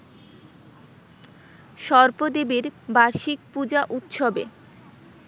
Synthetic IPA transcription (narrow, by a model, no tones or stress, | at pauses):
ʃɔɾpod̪ebeɾbaɾʃik̚pud͡ʑaʔut̪ʃobḛ